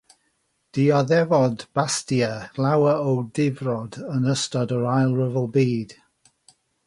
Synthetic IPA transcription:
d̥iɔðɛvɔdb̥astiəlawəowdɪvrɔdənəstɔdəɹajlˠɹəvəlˠbiːd̥

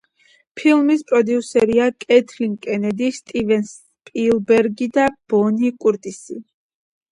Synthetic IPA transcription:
pʰilˠmispʼɾɔd̪iusɛɾiakʼɛt̪ʰliŋkʼɛnɛd̪ist̪ʼivɛns | pʼilˠbɛɾɡid̪ab̥ɔnikʼuɾt̪ʼisi

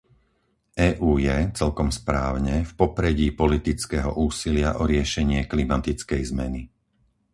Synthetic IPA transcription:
ɛːʔuːjɛt͡sɛlkɔmspɾaːʊɲɛfpɔpɾɛɟiːpɔlit̪it͡skɛɦɔ̰ʔuːsilɪaʔɔɾɪɛʃɛɲɪɛklimat̪it͡skɛjzmɛni

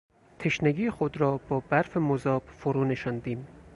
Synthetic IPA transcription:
t̪ʰeʃneɡiːxod̪ɾɒːb̥ɒːbæɾfemozɒːb̥foɾuːneʃɒnd̪iːm

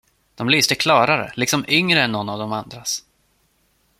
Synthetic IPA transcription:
d̪̥ɔmlyːst̪əkʰlɑːɾaɾə̰lɪksɔmʏŋɾəɛnːɔnːavd̪ɔmand̪ɾas

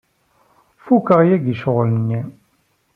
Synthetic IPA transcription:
fukːəʁjæɡiʃəʁlənːi

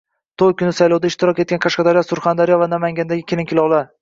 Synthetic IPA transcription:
t̪ʰojkʲʰʊnɪsajlɒwd̪aɪʃt̪ɪɾɒket̪̚kʲanqʰaʃqɑd̪aɾijɒsʊɾχand̪aɾijɒvanamaŋɡʲand̪aɡʲɪkʲʰelɪŋkʲʰɪlɒwlˠaɾ

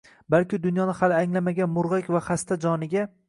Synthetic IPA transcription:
balkʲɪd̪ʊnjɒnɪhalɪaŋlamaɡʲanmʊɾʁakʲvaχast̪ʰad͡ʒɒnɪɡʲa

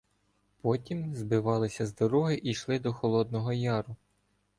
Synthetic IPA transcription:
pɔtʲimzbɪʋɑlˠɪsʲɐzd̪ɔɾɔɦɪʔiʃlˠɪd̪ɔxɔlˠɔd̪̚nɔɦɔjɑɾʊ

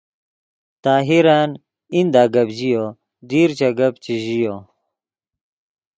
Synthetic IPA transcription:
t̪aːɦiɾaːn | ind̪aːɡɐbʑijo | d̪iːɾt͡ɕɐɡɐbt͡ɕiʑijo

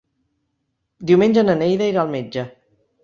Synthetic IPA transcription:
d̪iwmenʲd͡ʒənənejðəiɾalˠmed͡ʒə

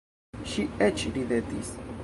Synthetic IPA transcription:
ʃiet͡ʃiɾiðet̪ḭs

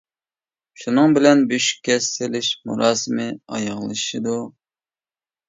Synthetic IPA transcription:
ʃunɨŋbɪlɛnbyʃkʲʰɛsːɪlɪʃmṵɾɑːsɨmɪɑ̰jəʁlˠɨʃid̪u

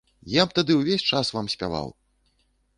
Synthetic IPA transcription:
jabt̪ad̪ɨwvʲesʲt͡ʂasvamsʲpʲa̰va̰w

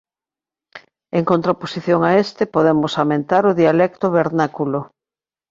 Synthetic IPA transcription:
eŋkont̪ɾaposiθjoŋaest̪ɪpoðemosamẽnt̪aɾʊðialɛkt̪oβeɾnakulo

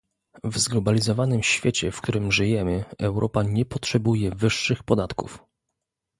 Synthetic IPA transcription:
vzɡlɔbalʲizɔvanɘmɕfʲjɛt͡ɕɛfk̚t̪uɾɘmʐɘjɛmɘɛwɾʔɔpaɲɛpɔtʂɛbujɛvɘʂːɘxpɔd̪at̪kṵf

